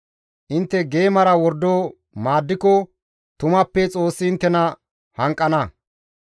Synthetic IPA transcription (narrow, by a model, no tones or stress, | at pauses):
ʔɪnt̪ːɛɡe̞ːmɐɾɐwɔɾd̪oː | maːd̪ːɪkɔ | t̪ʊmɐpːɛt͡sʼo̞ːsːɪɪnt̪ːɛnɐ | hɐŋkʼːɐnɐ